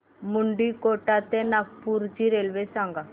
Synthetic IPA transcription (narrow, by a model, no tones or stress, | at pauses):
muɳɖikoʈat̪enak̚puɾt͡ɕiɾelʋesãŋɡa